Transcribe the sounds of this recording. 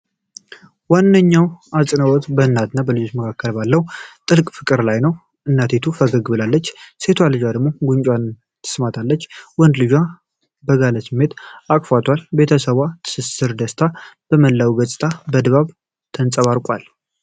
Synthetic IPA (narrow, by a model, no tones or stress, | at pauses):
wanːəɲːawasʼɨnəwɔt̪bəɨnːat̪ɨnːabəlɨd͡ʒo̞t͡ʃməkʰakːəlbalːəwt̪ʼɨlkʼfɨkʼɨɾlajnəw | ʔɨnːat̪ʰet̪ʰufəɡəɡɨbɨlalːət͡ʃːse̞t̪ʰwalɨd͡ʒad̪əɡmo̞ɡuɲt͡ʃʼwan | t̪ʰɨ̥smat̪ʰalːət͡ʃːwɔnd̪lɨd͡ʒa | bəɡaləsɨmːe̞t̪akʼfat̪ʰwalbe̞t̪ʰəsəβat̪ʰɨ̥sɨsɨɾd̪əst̪ʰab̥əməlːawɡəsʼɨ̥t̪ʰabəd̪βaβ | t̪ʰənsʼəβaɾkʼwal